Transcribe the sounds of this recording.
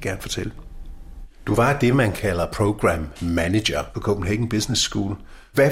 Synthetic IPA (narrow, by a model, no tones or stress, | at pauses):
ɡ̥æɐnfɒ̽t͡sʰelə | d̥uʋɑ̈d̥e̝mænkʰælɐpʰʁoʊɡ̥ʁæmːæne̥ɐpʰɒ̽kʰob̥n̩ɦeɡ̥n̩b̥isnesːɡ̥ṵːl | ʋæ